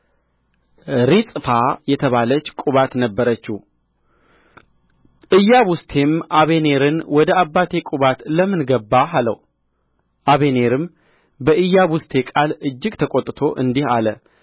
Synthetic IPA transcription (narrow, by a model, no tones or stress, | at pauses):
ɾisʼfajɛt̪ʰəβalət͡ʃːkʼuβat̪nəbːəɾət͡ʃːu | ʔɨjːaβʊst̪ʰe̞mʔaβene̞ɾɨnwɔd̪əabːat̪ʰe̞kʼuβat̪ləmːɨnɡəbːaɦalə̰w | ʔaβe̞ne̞ɾɨm | bəʔɨjːaβʊst̪ʰe̞kʼalɨd͡ʒːɪɡt̪ʰəkʼot̪ʼːt̪ʰo̞ʔɨnd̪ihalə